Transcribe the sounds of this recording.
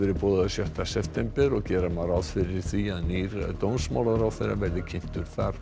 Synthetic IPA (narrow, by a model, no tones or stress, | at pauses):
ɛɾɪpɔːðasjœht̪asɛft̪ʰɛmpɛɾɔɣcɛːɾamaɾawð̥fɪɾɪɾ̥θiaðniɾt̪ownsma̰wlaðɾawθejɾa̰vɛɾðɪcʰɪn̥t̪ʏɾ̥θaɾ̥